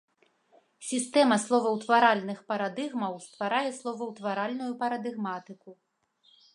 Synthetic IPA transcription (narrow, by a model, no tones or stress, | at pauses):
sʲist̪ɛmɐslˠɔvɐwt̪vaɾalʲnɨxpɐɾad̪ɨɣmɐwst̪vaɾajɛslˠɔvɐwt̪vaɾalʲnujupɐɾɐd̪ɨɣmat̪ɨku